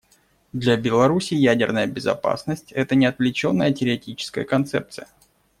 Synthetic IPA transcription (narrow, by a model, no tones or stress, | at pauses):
d̪lʲabʲɪlˠɐɾusʲɪjædʲɪrnəjəbʲɪzɐ̰pa̰snəsʲtʲɛt̪ənʲɪɐt̪vlʲɪt͡ɕo̞nːəjətʲɪɾʲɪɐtʲit͡ɕɪ̥skəjəkɐnt̪sɛp̚t̪sɨjə